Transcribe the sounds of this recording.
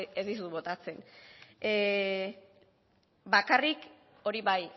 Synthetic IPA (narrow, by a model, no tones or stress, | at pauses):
ezd̪is̬uβo̞t̪at͡se̞ne | bakarik | o̞ɾiβaj